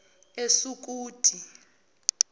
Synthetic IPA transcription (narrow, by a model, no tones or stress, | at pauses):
esuk̬ʼuːd̥ʰʱi